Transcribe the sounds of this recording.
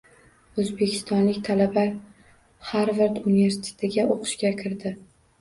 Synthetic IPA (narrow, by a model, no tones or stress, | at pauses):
ɵzbe̞kʲʰɪ̥st̪ɒnlɪkʲt̪ʰalaba | haɾvaɾt̪unive̞ɾsɪ̥t̪ʰet̪ʰɪɡʲaʔoqʰɨ̥ʃkʲakʲʰɪɾd̪ɪ